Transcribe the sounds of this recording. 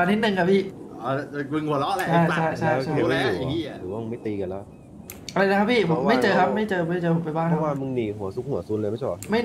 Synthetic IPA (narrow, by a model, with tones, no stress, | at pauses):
a˨˧˩nʰːi˦˥t̪̚nɯ˨˧ŋkʰa˦˩pʰiː˥˩˧ | kwi˧ŋhu˨˩˦ɐlɔ˦˥lt͡ɕʰjʰa˥˩t͡ɕʰa˥˩jt͡ɕʰa˥˩˧juː˨˩˧ɾɯː˩˦waː˥˩m˧ma˥˩jt̪iː˧ka˧lɛː˦˥ | ʔa˧ɾa˧jla˦˥kʰa˦˥pʰiː˥˩pʰo˨˦mːa˥˩t͡ɕɤː˧kʰa˦˥p̚ma˥˩jt͡ɕɤː˧˦˥t͡ɕɤː˧pʰo˨˦mpa˧jbaː˥˩kʰwaː˧˩mɯ˧ŋniː˨˧˩ɦu˨˩˦ɐsu˦˥k̚hu˩˦suː˧˦˥nlɤː˧jma˥˩t͡ɕʰɔ˥˩˦ma˥˩